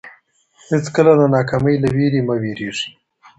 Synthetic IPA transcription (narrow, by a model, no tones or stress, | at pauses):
hɪt͡skəlad̪anɑkaməjlaweɾimaweɾeʐi̥